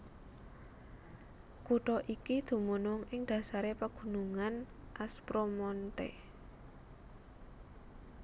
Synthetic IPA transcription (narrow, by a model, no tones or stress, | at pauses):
kuʈɔʔikid̪̥ṳmunʊŋɪŋd̪̥ä̤saɾepəɡ̥ṳnuŋan | ʔaspɾomɔnt̪ḛ